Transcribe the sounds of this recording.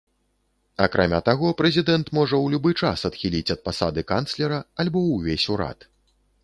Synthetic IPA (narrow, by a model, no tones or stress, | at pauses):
akɾʔamʲat̪aɣɔpɾɛzʲid̪ɛnt̪mɔʐɐwlʲubɨt͡ʂasɐt̪xʲilʲit͡sʲɐt̪̚pasad̪ɨkant̪slʲɛɾɐalʲbɔwvʲesʲuɾa̰t̪